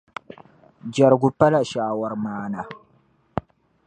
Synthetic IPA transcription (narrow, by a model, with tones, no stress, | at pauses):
d͡ʒɐ˨ɾɡu˨pːɐ˦la˨ʃaː˨wɐ˨ɾmaː˨na˨